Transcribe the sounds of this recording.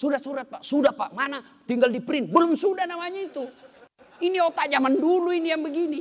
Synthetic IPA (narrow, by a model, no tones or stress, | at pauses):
sudasuɾat̪̚paʔsudapaʔmana | t̪iŋɡaldipɾinbəlʊmsudahnamaɲait̪u | iniɔt̪aʔd͡ʒamanduluinijaŋbəɡini